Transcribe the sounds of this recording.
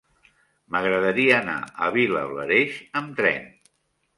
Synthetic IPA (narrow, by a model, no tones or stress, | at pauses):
məɣɾəðəɾiəːna̰əβilələɾeʃəmt̪ɾɛ̰n